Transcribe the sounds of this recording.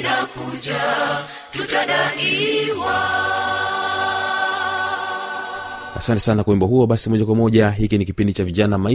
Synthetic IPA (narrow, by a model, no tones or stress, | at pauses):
nakuʄa | tutaɗaiwa | a̰santɛ̥sanakwɛmbɔhuɔɓasimɔʄakwamɔʄaɦikinikipindit͡ʃaviʄanamai